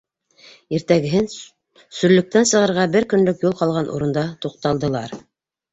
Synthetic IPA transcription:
iɾt̪æɡɘ̆ɦɘn | sɵ̆ɾlɵ̆k̚t̪ænsɤ̆ʁɤ̆ɾʁɑbɘɾkɵ̆nlɵkjulˠqɑlˠʁɑnʔṵɾɤ̆nd̪ɑt̪uq̚t̪ɑlˠd̪ɤ̆lˠɑ̰ɾ

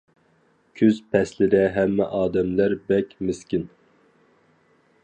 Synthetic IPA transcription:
kʲʰyzpʰɛslɪɾɛɦɛmːɛ̰ʔɑːd̪ɛmlæɾbɛkʲmɪskʲin

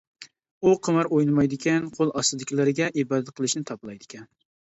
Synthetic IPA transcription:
uqʰəmɑɾojnɨmɑjd̪ɪkʲɛnqʰolˠɑsɨd̪ɪkʲʰilɪɾɪɡʲɛʔibɑːd̪ɛt̪̚qʰəlˠɨʃnɪt̪ʰɑplˠɑjd̪ɪkʲɛn

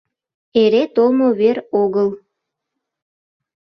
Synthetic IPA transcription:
eɾet̪olmoβeɾoɣəl

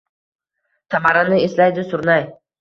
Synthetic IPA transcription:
samaɾanɪeslajd̪ɪsʊɾnaj

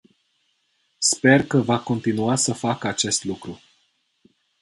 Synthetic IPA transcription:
spe̞rkəvako̞nt̪inuasəfakəat͡ʃe̞st̪lukɾu

